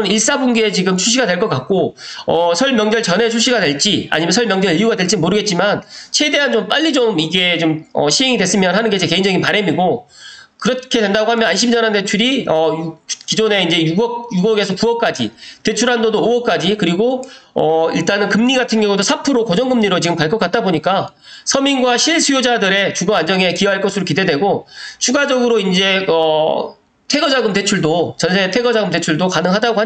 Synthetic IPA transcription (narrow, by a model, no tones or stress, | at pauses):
niɭs͈abuŋɡeːt͡ɕiɡɯmt͡ɕʰuɕ̬͈ʰiɡadwe̞ɭk͈ʌk͈ak̚k͈oʌsʰʌɭmjʌŋd͡ʑʌɭt͡ɕʌne̞t͡ɕʰuɕ͈ʰiɡadwe̞ɭt͡ɕ͈ia̰ɲimjʌnsʰʌɭmjʌŋd͡ʑʌɭijuɡadweɭt͡ɕ͈imoɾɯɡe̞t̚t͡ɕ͈imant͡ɕʰe̞de̞ɦant͡ɕomp͈aʎːid͡ʑomiɡe̞t͡ɕomʌ̰ɕʰiɦeŋidwes͈ɯmjʌnhanɯnɡe̞t͡ɕeke̞ind͡ʑʌɡinpaɾemiɡokɯɾʌkʰe̞dwe̞ndaɡohamjʌnanɕ̬ʰimd͡ʑʌnande̞t͡ɕʰuɾiʌjukid͡ʑone̞ind͡ʑe̞juɡʌk̚juɡʌɡe̞sʰʌkuʌk͈ad͡ʑḭte̞t͡ɕʰuɾɦandodooʌk͈ad͡ʑikɯɾiɡoʌḭɭt͈anɯnkɯmɲiɡatʰɯnɡjʌŋodosʰapʰɯɾokʌd͡ʑʌŋɡɯmɲiɾot͡ɕiɡɯmkaɭk͈ʌk͈at̚t͈aboɲik͈a | sʰʌminɡwaɕʰiɭsʰujod͡ʑadɯɾe̞t͡ɕuɡʌand͡ʑʌŋe̞kijʌɦaɭk͈ʌsʰɯɾokide̞dwe̞ɡot͡ɕʰuɡad͡ʑʌɡɯɾoind͡ʑe̞ʌ | tʰe̞ɡʌd͡ʑaɡɯmte̞t͡ɕʰuɭdot͡ɕʌnsʰetʰeɡʌd͡ʑaɡɯmt̬e̞t͡ɕʰuɭdokanɯŋɦadaɡoɦa